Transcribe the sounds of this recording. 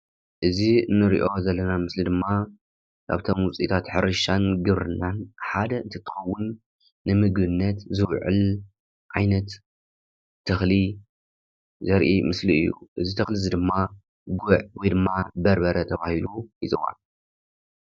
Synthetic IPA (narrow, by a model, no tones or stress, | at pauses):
ʔɨziɨnːɨɾḭʔo̞zɐlːɐnamɨslid̪ɨmːa | kʰa̰βt̪ʰo̞mwʊt͡sʼit̪ʰat̪ħɨɾɨʃanɡɨβɾɨnːanħad̪ɐɨnt̪ʰɐt̪ʰːɨ̥xɐwːʊnː | ɨmɨɡbɨnːɐt̪zɨwʕɨ̰l | ʔajnɐt̪ː | ɐxli | zɐɾʔimɨsliɨ̰jːṵʔɨzit̪ʰɐxlizid̪ɨmːa | ɡʊʕwɔjd̪ɨmːabɐɾbɐɾɐt̪ʰɐβahilujɨzʼɨxa̰n